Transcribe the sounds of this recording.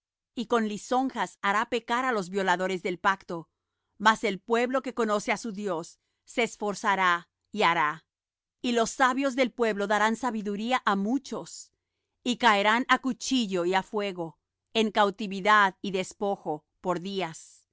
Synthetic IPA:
iko̞nliso̞ŋxasaɾape̞kaɾalo̞zβjo̞laðo̞ɾe̞zðe̞lpakt̪o̞ | mase̞lpwe̞βlo̞ke̞ko̞no̞seasuðjo̞sː | e̞ːsfo̞ɾsaɾa | iaɾa | ilo̞sːaβjo̞zðe̞lpwe̞βlo̞ðaɾansaβiðuɾiaʔamut͡ʃo̞s | ikaeɾanakut͡ʃiʝo̞iafwe̞ɣo̞ | e̞ŋkawt̪iβiðaðiðe̞spo̞xo̞ | po̞ɾðias

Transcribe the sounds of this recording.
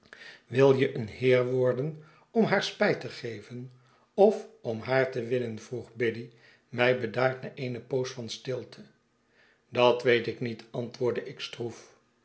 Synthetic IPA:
ʋɪlˠjəʔənhɪːɹʋɔɹdən | ɔmɦaːɹspɛjtəχejvən | ɔfɔmɦaːɹtəʋɪnənvruχbɪdi | mɛjbədaːɹtnaːʔejnəpowsfɑnstɪlˠtʰə | dɑtʋejtɪknitʰɑntʋʊːɹdəʔɪkstruf

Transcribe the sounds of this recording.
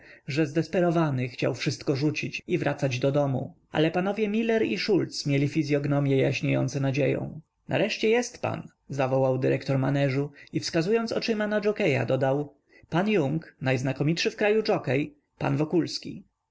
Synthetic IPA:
ʐɛzd̪ɛspɛɾɔvanɘxt͡ɕa̰wfʂɘst̪kɔʐut͡ɕit͡ɕivɾʔat̪sad͡ʑd̪ɔd̪ɔmṵʔa̰lɛpanɔvʲjɛmʲilɛɾiʂult̪smʲjelʲifʲizʲjɔɡnɔmʲjɛjaɕɲejɔ̰nt̪sɛnad͡ʑejɔ̰̃w̃ | nʔa̰ɾɛʂt͡ɕɛjɛst̪pa̰n | zavɔwawd̪ɘɾɛkt̪ɔɾmanɛʐuifskazujɔnt̪sɔ̰t͡ʂɘmanad͡ʐɔkɛja̰d̪ɔd̪aw | panjuŋknajznakɔmʲit̪ʂɘfkɾajud͡ʐɔkɛj | pa̰nvɔkulskʲḭ

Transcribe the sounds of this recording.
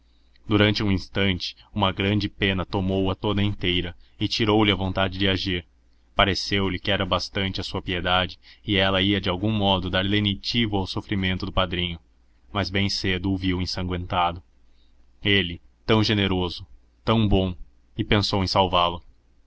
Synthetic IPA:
d̪uɾɐ̃nt͡ʃɪũĩst̪ɐ̃nt͡ʃɪ̥ũmɐɡɾɐ̃nd͡ʒɪpẽnɐt̪omowɐt̪od̪ɐẽnt̪ejɾɐɪt͡ʃiɾowlɪɐvõnt̪ad͡ʒɪd͡ʒɪaʒiɾ | paɾesewlɪkɪɛɾɐbast̪ɐ̃nt͡ʃɪɐsuɐpied̪ad͡ʒɪɪɛlɐiɐd͡ʒɪawɡũmɔd̪ʊd̪aɾlenit͡ʃivʊawsofɾimẽnt̪ʊd̪ʊpad̪ɾĩɲʊ | mɐzbẽj̃sed̪ʊʊviwẽsɐ̃ŋɡwẽnt̪ad̪ʊ | elɪt̪ɐ̃w̃ʒeneɾozʊ | t̪ɐ̃w̃bõ | ɪpẽsowẽj̃sawvalʊ

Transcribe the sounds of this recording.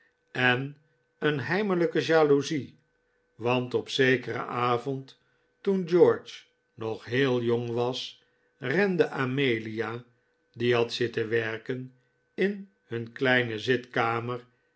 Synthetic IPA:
ɛn | ənɦɛjmələkəʒaːluzi | ʋɑntɔpsejkərə̰ʔaːvɔnt | tund͡ʒɔɹt͡ʃ | nɔχɦeːlˠjoŋʋɑs | rɛndəʔamejlia | diɦɑtsɪtəʋɛɹkən | ɪn | hɵnklɛjnəzɪtkaːməɹ

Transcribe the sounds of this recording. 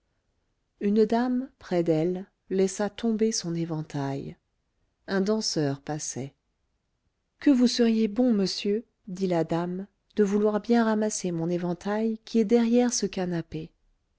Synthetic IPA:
ynd̪ampχɛd̪ɛlː | ɛsat̪ɔ̃besɔ̃nevɑ̃t̪aj | ɛ̃d̪ɑ̃sœʁpasɛ̰ | kəvusəʁjebɔ̃məsjø | d̪ilad̪am | d̪̥əvulwaʁbjɛ̃ʁamasemɔ̃nevɑ̃t̪ʰajkʲiɛd̪ɛʁjɛʁsəkanape

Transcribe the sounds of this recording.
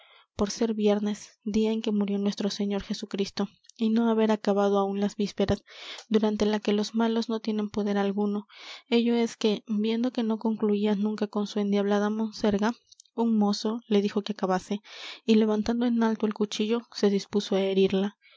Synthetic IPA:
po̞ɾse̞ɾβje̞ɾne̞sd̪iae̞ŋke̞muɾjo̞nwe̞st̪ɾo̞se̞ɲo̞ɾxe̞sukɾist̪o̞ | ino̞aβe̞ɾakaβað̞oaunlazβispe̞ɾasd̪uɾant̪e̞lake̞lo̞zmalo̞zno̞t̪je̞ne̞mpo̞ðe̞ɾalɣuno̞e̞ʝo̞e̞ske̞bje̞nd̪o̞ke̞no̞ko̞ŋkluianũŋkako̞nsue̞nd̪jaβlaðamo̞nse̞ɾɣauŋmo̞so̞le̞ðixo̞keakaβase̞ile̞β̞ant̪and̪oe̞nalt̪oe̞lkut͡ʃiʝo̞se̞ðispuso̞ae̞ɾiɾla

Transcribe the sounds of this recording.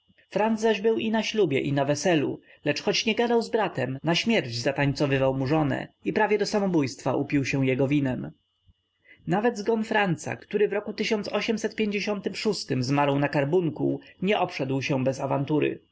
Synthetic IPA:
fɾand̪zzaʑbɘwinaɕlubʲjɛ̰ʔinavɛsɛlṵ | lɛt͡ʂxɔt͡ɕɲɛɡad̪awzbɾat̪ɛmnaɕmʲjɛɾd͡ʑzat̪aɲt̪sɔvɘvawmuʐɔnɛ̰ipɾavʲjɛd̪ɔsamɔbujst̪faʔupʲiwɕɛw̃jɛɡɔvʲinɛm | navɛd̪zɡɔnfɾant̪sa̰kt̪uɾɘvɾɔkut̪ɘɕɔnt̪sɔɕɛmsɛt̪̚pʲjeɲd͡ʑeɕɔnt̪ɘmʂust̪ɘmzmaɾɔwnakaɾbuŋkṵɲɛʔɔpʂɛd̪wɕɛbɛzavant̪uɾɘ̰

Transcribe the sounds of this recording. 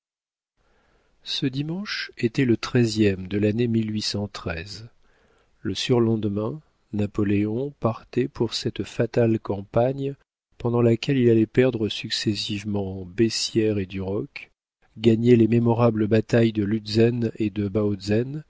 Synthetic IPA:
səd̪imɑ̃ʃet̪ɛlət̪χɛzjɛmd̪əlanemilɥisɑ̃t̪χɛz | ləsyʁlɑ̃d̪mɛ̃ | napɔleɔ̃paʁt̪ɛpʰuʁsɛt̪fat̪alkɑ̃paɲ | pɑ̃d̪ɑ̃lakʲɛlilalɛpɛʁd̪ʁəsyksɛsivmɑ̃besjɛʁed̪yʁɔk | ɡaɲɛlememɔʁabləbat̪ajd̪əlyd̪zɛned̪əbaozɛn

